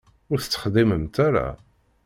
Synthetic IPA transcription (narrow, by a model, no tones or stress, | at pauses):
ʊɾθə̥t͡sːə̥χd̪iməmt̪aɾa̰